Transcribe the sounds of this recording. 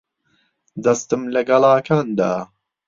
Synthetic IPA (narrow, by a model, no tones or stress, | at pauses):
d̪ɐst̪ɨmlɐɡɐlɑːkʰaːnd̪a̰ː